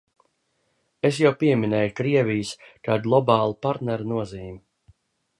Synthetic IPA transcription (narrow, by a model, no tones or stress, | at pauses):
es̬jawpiɛminɛjukɾiɛvijskaːd̪lˠɔbɑːlˠupaɾt̪nɛɾnuɔziːmi